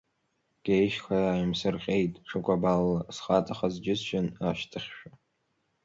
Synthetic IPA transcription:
ɡ̥ʲejʃxajaːjmsɨrχʲʼe̞jtʼʈ͡ʂʰɨkʷʼabalːasχatʼaχazd͡ʒɪsʃᶣɪnaʃtʰɨχʲʃᶣa

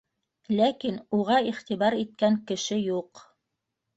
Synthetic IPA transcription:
lækinuʁɑiχt̪iβɑɾit̪̚kæŋkɘ̆ʃɘjuq

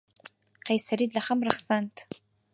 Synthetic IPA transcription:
qejsɐɾiːdɮɐχɐmrɐχsantʰ

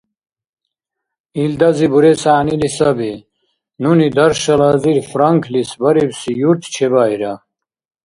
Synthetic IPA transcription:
ild̪ɐzibuɾesaːnilisɐbe | nunid̪ɐɾʃɐlɐziɾfɾɐŋkʰlisbɐɾibsijuɾt̪ʰt͡ɕʰeβaiɾɐ

